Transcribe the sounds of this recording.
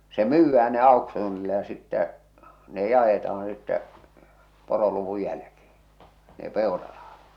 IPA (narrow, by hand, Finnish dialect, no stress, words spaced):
se myːʋːæː ne ɑˑoksuːnilːɑ jɑ sitːæ ne jɑetɑɑ̃ː sitːɛ poroluʋu jælke̝ː ne peˑorɑr̥ɑ̥hɑ̥t